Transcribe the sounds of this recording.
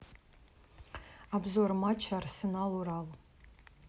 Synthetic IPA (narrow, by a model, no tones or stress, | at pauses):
abzormat͡ʃʰarsɨnaluɾal